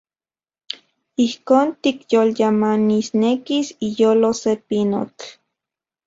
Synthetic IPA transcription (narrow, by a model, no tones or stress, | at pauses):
ihkoːnt̪ikjoljamanisnekisijoːlosepino̰t͡ɬ